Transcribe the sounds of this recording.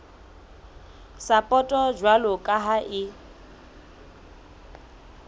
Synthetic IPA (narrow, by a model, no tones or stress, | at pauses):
sapʼɔtʼɔd͡ʒwalɔkʼaɦaʔɪ